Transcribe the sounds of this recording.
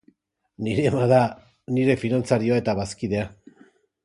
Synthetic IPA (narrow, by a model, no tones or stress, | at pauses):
niɾe̞maða | niɾe̞finant͡saɾioae̞t̪aβaskiðe̞a